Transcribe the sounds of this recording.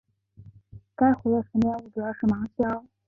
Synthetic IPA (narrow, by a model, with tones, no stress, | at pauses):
ka˥ɪxwe˧˥d̪ə˧˩fə˧˥mjɛ˥˩u˥˩ʈ͡ʂɤ˧˥˧ʂɻ̩˥˩mɑ˧˥ŋɕjɑ˥ʊ